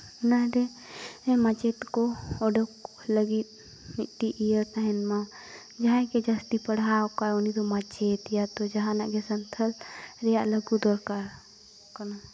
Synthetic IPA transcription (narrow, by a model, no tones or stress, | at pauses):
naɾe | emat͡ʃet̪kooɖək | ləɡit̪ | miʈ̪iʔijəɾt̪aɦɛnmã | d͡ʒaɦãked͡ʒast̪ipəɽ̤aːkaonit̪omat͡ʃet̪jat̪od͡ʒɐɦãnaɡesənt̪ʰəlɾejaʔləɡud̪oɾkaɾ | kəna